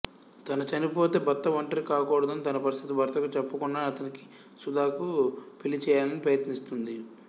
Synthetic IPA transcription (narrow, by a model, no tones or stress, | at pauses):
t̪ɐnɐt͡ʃɐnipo̞ːt̪e̞ːbɐt̪ːɐʋɐɳʈɐɾikaːkɔːɽɐd̪ɐnit̪ɐnɐpɐɾist̪ʰit̪ibʱɐɾt̪ɐkut͡ʃɐpːɐkunːaːɐt̪ɐniki̥ | sud̪ʱaːkupilit͡ʃɛːjaːlɐnipɾɐjɐt̪nist̪und̪i